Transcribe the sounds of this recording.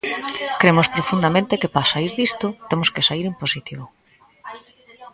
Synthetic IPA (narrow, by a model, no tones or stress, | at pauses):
kɾemʊspɾofund̪amẽnt̪ekepaasaiɾðist̪ʊt̪emoskesaiɾemposit̪iβʊ